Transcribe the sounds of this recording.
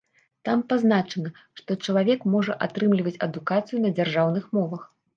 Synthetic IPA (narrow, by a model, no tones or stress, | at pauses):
t̪ampaznat͡ʂɐnɐ | ʂt̪ɔt͡ʂɐlˠavʲɛkmɔʐɐʔat̪ɾɨmlʲivɐt͡sʲɐd̪ukat̪sɨjunɐd͡zʲarʐawnɨxmɔvɐx